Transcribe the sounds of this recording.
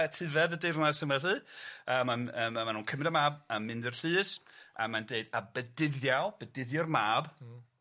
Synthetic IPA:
tʰɨvɛðədejrnasəmwɛlɨəːmanəːmmanuːnkʰəmɪdəmaːbamːɪndərɬɨːsa̰mandeɨdabədɪðjalˠb̥ədɪðjɔrmaːb

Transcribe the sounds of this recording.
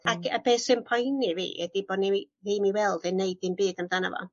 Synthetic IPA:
akʰab̥eːsɨnpʰɔjnivḭːɛ̰d̥iboːdni | viːmiwɛlˠdɛneɨdɨmbɨːd̥amdana̰vɔ̰

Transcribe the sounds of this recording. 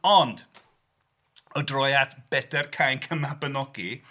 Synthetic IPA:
ɔnd̥ | ɔdrɔjatb̥ɛd̥ɛrkʰajnkʰəmabənɔɡi

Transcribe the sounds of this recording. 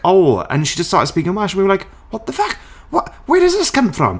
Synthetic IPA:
oʊə̰̃nʃid͡ʒʌststɑ̰ˑɹtspikɪ̃ŋəwaʃn̩wiwə˞laɪk | wʌt̚ðəfak̚t | wʌʔwə˞ɾəzðɪskʰʌ̃ɱfɹə̰̃m

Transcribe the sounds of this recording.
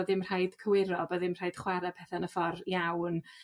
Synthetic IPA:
ðɪmr̥ajd̥kʰəwɪɾɔbəðɪmr̥ajd̥χwaɾɛpʰɛθanəfɔrjawn

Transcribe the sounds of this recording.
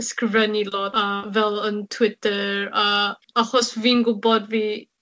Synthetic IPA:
skɪvɛniloəvɛlˠəntʰwɪtʰəɹa | aχɔsviːnɡʊbɔdviː

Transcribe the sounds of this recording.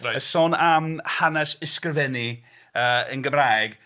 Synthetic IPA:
aəsoːnamhanɛsɪskrəvɛni | əːənɡəmrajɡ

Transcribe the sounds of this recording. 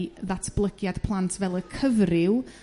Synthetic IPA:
ðatʰb̥lˠəɡjad̥pʰlˠantʰvɛlˠəkʰəvrɪw

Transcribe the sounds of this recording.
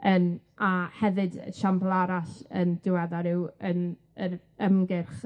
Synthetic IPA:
ənahɛvɨdʃamblˠaɾaɬə̰ndɪwɛðaɾɪwən | əɾ | əmɡɪrχ

